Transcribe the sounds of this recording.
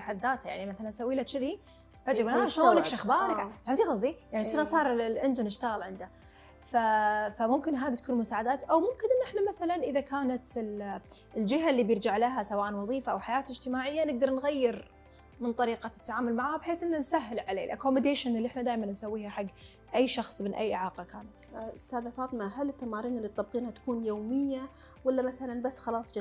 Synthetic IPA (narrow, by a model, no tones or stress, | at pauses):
aħad̪ːaːt̪hajaʕnimaθalansawːiːlaʃɪði | fad͡ʒaɡulaʃalakʃaxbɑːɾˤakħamd̪iɣɑsˤd̪ijaʕnit̪ːɪnasˤɑːɾˤlʔɪnd͡ʒɪnɪʃt̪aɣalʕɪnd̪a | fafamʊmkɪnɦaːðit̪ḁkuːnmʊsaːʕad̪aːt̪ʔawmʊmkɪnʔɪnːʔɪħnamaθalanʔɪðakʰaːnat̪ɪl | ld͡ʒɪɦalːibjɪɾd͡ʒaʕlaɦasawaːʔanwɑðˤiːfaʔawħajaːt̪ɪd͡ʒt̪ɪmaːʕɪjːanɪɡ̚d̪ɑɾˤnɣajːɪɾ | mɪnt̪ˤɑɾiːqat̪ːaʕaːmʊlmaʕahabħeːθʔɪnːansaɦːɪlʕalḛːlʔa̰kːomːɪd̪eːʃanɪlːiʔɪħnad̪aːjmannsawːiːhaħaɡː | ʔajːʃɑxsˤmɪnʔa̰jːʔɪʕɑːqɑkaːnat̪ʔʊst̪aːðafɑːt̪ˤɪmaɦalɪt̪ːamaːɾiːnɪlːit̪ˤːɑb̚qiːnhat̪ḁkuːnjoːmɪjːa | walːamaθalanbasːxɑlɑːsˤd͡ʒ